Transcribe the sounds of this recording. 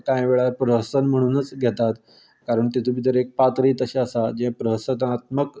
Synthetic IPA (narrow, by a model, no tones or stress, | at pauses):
kãjʋeɭapɾəɦəsənm̤əɽ̃uːnət͡sɡʱɛt̪at̪ | kaɾəɳt̪it̪ʰubʱit̪əɾek̚pat̪ɾiːt̪əɕeəsad͡ʑẽpɾəɦəsət̪at̪̚mək